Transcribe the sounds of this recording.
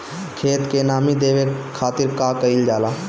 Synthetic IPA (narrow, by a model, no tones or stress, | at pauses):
kʰeːt̪kenaːmid̪eʋekʰːaːt̪iɾkakəɪld͡ʒaːla